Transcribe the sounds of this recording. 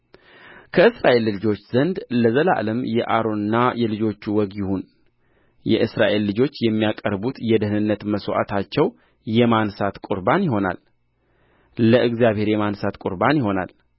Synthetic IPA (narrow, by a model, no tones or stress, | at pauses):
kʰəɨsɾaʔellɨd͡ʒo̞t͡ʃːz̥ənd̪ləzəla̰ləmjɛʔaɾo̞nɨnːajɛlɨd͡ʒo̞t͡ʃːuwɔɡjɪhun | jɛ̰ʔɨsɾa̰ʔelːɨd͡ʒo̞t͡ʃːjɛmːijakʼəɾbut̪jɛd̪əhɨnɨnːət̪məswoʔa̰t̪ʰat͡ʃːɛw | jɛmansat̪kʼuɾbanjɪɦo̞na̰l | ləʔɨɡzijaβhe̞ɾjɛmansat̪kʼuɾbanjɪho̞na̰l